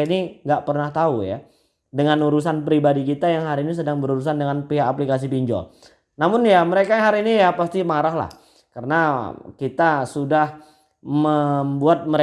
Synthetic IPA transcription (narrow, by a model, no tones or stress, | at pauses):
iniŋɡaʔpərnaht̪auja̰ | dəŋanuɾus̬anpɾibadikit̪ajaŋɦaɾiːnis̬ədaŋbəɾuɾus̬andəŋanpiɦaʔːplikas̬ipiɲd͡ʒɔ̰ | namʊnjaməɾekaɦaɾiːnijapast̪imaɾaɦla̰h | karənakit̪asudah | məmbuat̪̚məɾe